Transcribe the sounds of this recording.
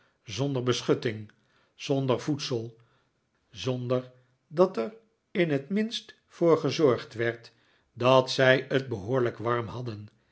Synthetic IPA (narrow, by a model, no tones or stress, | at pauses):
zɔndəɹbəsχɵtɪŋ | z̥ɔndəɹvutsəlˠ | zɔndəɹ | dɑtəɹ | ɪnɦətmɪnst | foːɹχəzɔɹχtʋɛɹt | dɑtsɛjətbəɦoːɹləkʋɑɹmhɑdən